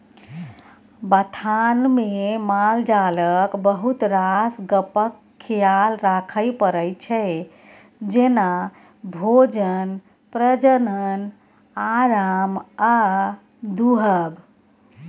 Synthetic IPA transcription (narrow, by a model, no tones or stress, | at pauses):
bət̪ʰanmemald͡ʒaləkbəɦut̪ɾasɡəpəkʰːijalɾakʰəjpəɾəjt͡ʃʰɛ | d͡ʒena | bʱod͡ʒən | pɾəd͡ʒənən | aɾama | d̪uɦəb